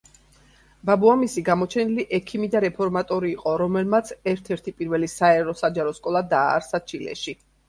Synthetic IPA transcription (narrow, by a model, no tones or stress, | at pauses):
babuamisiɡamɔt͡ʃʰɛniliʔɛkʰimid̪aɾɛpʰɔɾmat̪ʼɔɾiːqʼɔɾɔmɛlmat̪sʰɛɾt̪ʰɛɾt̪ʰipʼiɾvɛlisaɛɾɔsad͡ʒaɾɔskʼɔlˠad̪aːɾsat͡ʃʰilɛ̰ʃi